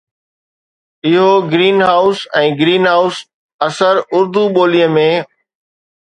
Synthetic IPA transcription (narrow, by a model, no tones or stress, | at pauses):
ɪɦoɡɾiːnɦaːʊsɛ̃ːɡɾiːnɦaːʊs | ɐsəɾʊɾd̪uɓoːlijəmẽː